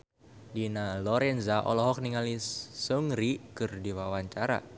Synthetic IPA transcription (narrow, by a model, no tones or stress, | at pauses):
dinalɔɾɛnzaʔɔ̰lɔɦɔk̚niŋalisuŋɾikɨrdiwawaɲt͡ʃaɾa̰